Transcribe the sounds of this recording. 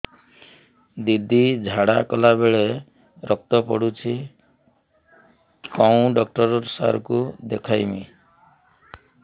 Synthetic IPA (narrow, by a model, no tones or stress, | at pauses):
d̪id̪id͡ʒʱaɽakɔlabeɭe | ɾʔɔk̚t̪ɔpɔ̰ɽut͡ʃʰi | kɔwũɖɔk̚ʈɔɾɔɾsa̰ɾɔkud̪ekʰajmi